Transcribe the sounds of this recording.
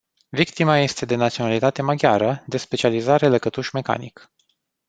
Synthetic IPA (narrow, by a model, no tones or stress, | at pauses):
vikt̪imaje̞st̪e̞d̪e̞nat̪sio̞nalit̪at̪e̞maɡʲjaɾəd̪e̞spe̞t͡ʃializaɾe̞ləkət̪uʃme̞ka̰nik